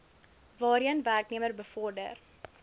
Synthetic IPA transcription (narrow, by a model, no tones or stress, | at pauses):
vɑːɾiənværkniəmərbəfɔrdə̰r